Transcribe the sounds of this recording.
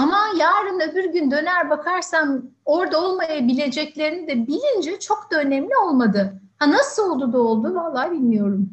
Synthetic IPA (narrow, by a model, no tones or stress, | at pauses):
amajaːɾɯnøbyɾɟynd̪ø̞næɾbakʰaɾsamo̞ɾd̪ao̞lˠmajabilʲe̞d͡ʒɛclʲe̞ɾinid̪ɛbilʲind͡ʒɛt͡ʃʰo̞kd̪aø̞nɛmlʲio̞lˠmad̪ɯhanasɯlˠo̞lˠd̪ud̪aolˠd̪uvalˠːaːbilʲmijo̞ɾum